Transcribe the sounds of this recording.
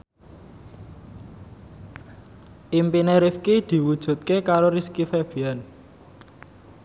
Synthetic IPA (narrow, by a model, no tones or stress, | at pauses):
ʔimpineɾifkid̪̥i̤wud̥ʒ̥ṳt̪̚kekaɾoɾiskifeb̥ian